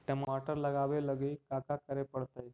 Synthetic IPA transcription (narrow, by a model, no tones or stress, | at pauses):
ʈəmaʈəɾləɡaʋeləɡiːkakakəɾepəɽt̪əj